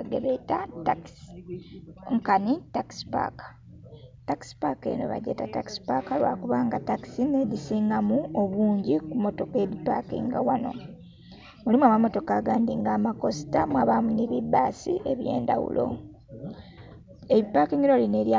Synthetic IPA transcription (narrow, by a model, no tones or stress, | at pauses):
ɡeβetataks | ŋkanitakspa̰kḁ | taki̥spake̞̰no̰βa̰ɟḛːtataki̥si̥pakalwa̰ːkuβaːŋɡataki̥sinedisiːŋɡamuoβuːɲɟikumo̞to̞ke̞βipakḭŋɡawano̞̰ | mulimuamamo̞to̞kaːɡaːndiŋɡaːmako̞si̥tamwaːβaːmuniβibːaːsḭʔe̞βje̞̰ːndawṵlʔo̞̰ | eβipakiŋɡiɾo̞line̞ɾja